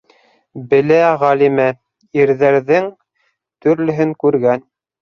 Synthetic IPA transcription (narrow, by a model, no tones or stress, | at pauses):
bɘ̆læʁælimæ | iɾðæɾðɘŋ | t̪ɵ̆ɾlɵ̆ɦɘŋkʉɾɡæn